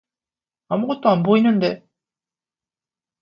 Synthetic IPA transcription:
amuɡʌt̚t͈oanboinːɯnde̞

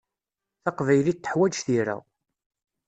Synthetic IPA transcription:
θɑqvæjlit̪ːə̥ħwæd͡ʒθiɾæ̰

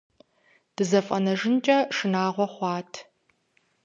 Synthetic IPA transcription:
d̥ɨzɐfʼɐ̰nɐʒɪnt͡ʃʼɐʂɨnaːʁʷɔχʷɑːtʰ

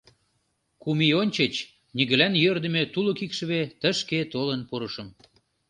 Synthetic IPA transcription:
kumionʲt͡ɕet͡ɕ | niɣə̆lænjørd̪ə̆met̪uləkikʃə̆βet̪əʃket̪olənpuɾəʃə̆m

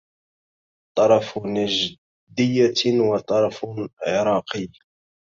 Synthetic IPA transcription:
t̪ˤːɑɾˤɑfʊnʒ | d̪ɪjːanwɑt̪ˤɑɾˤɑfʕɾˤɑːqəj

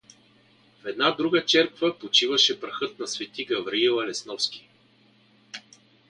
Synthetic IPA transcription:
fɛd̪nad̪ɾuɡət͡ʃɛɾkvəpot͡ʃivəʃɛpɾɐxɤt̪̚nɐsvɛt̪iɡɐvɾiilˠɐlɛsnɔfskʲi̥

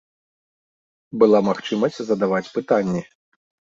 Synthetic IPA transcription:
bɨlˠamaxt͡ʂɨmɐsʲt͡sʲzɐd̪avat͡sʲpɨt̪anʲːɛ

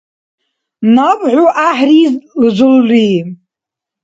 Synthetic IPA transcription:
napʼʕʷuʔaħrizld͡ʒʷʊlːʷi

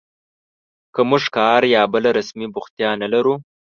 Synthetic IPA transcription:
kəmʊʐkɑːɾjɑːbəlaɾasmibʊxt̪jɑnalaɾu

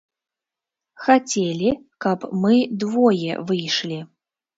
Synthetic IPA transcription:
xat͡sʲelʲi | kɐpmɨd̪vɔjɛ̰vɨjʂlʲi

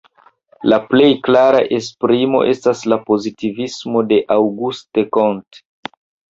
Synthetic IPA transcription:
laple̞jklaɾa̰ʔe̞spɾimo̞̰ʔe̞staslapo̞zitivismo̞de̞ʔawɡustekont

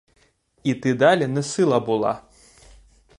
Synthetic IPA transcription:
it̪ɨd̪alʲɛnɨsɨlˠɐbulˠa̰

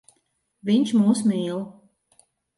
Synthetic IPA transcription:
vʲiɲʲt͡ʃmuːsmiːlˠ

